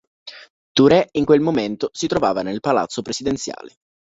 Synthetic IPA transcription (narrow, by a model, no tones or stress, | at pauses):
t̪uɾɛiŋkwelmoment̪osit̪ɾovaːvanelpala̰t̪sopɾesid̪ent̪sja̰ːle